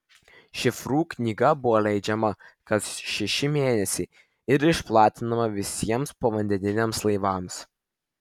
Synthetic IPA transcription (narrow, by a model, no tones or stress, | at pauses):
ʃʲɪfɾuːknʲiːɡɐbʊʋolʲɛɪd͡ʒʲɛmɐkɐsʃʲɛʃʲɪmʲeːnʲɛsʲɛɪ | ɪɾɪʃplˠɑːt̪ʲɪnɐmɐʋʲɪsʲiɛmspoːʋɐnʲd̪ʲɛnʲɪnʲeːmslˠɐɪʋɑːms